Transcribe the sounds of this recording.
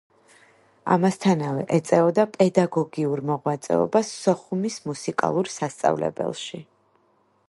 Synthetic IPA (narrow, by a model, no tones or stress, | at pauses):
a̰mast̪ʰanavɛʔɛt̪sʼɛɔd̪apʼɛd̪aɡɔɡiuɾmɔʁwat̪sʼɛ̰ɔ̰basːɔχumismusikʼa̰lˠuɾsast̪sʼa̰vlɛ̰bɛ̰lˠʃi